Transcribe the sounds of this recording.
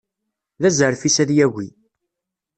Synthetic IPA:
ðæzəɾfisæðjæɣʷi

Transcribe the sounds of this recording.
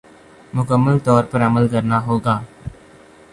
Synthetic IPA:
mʊkəmːəlt̪ɔːɾpəɾəməlkəɾnaɦoːɡaː

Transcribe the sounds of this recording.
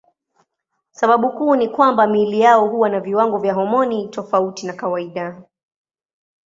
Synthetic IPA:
saɓaɓukuːnikwambamilijaɔɦuwanaviwaŋɡɔvjaɦɔmɔnitɔfautinakawaiɗa

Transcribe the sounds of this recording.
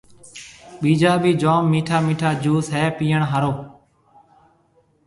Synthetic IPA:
ɓiːd͡ʒaːbiːd͡ʒoːmːiːʈʰaːmiːʈʰaːd͡ʒuːsɦɛːpiːəɳɦaɾoː

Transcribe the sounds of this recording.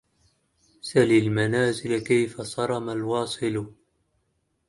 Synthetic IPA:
salɪlmanaːzɪlakajfasˤɑɾˤɑmalwɑːsˤɨl

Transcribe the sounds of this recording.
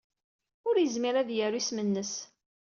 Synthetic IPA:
ʊɾjəzmiɾæðjəɾismənːəs

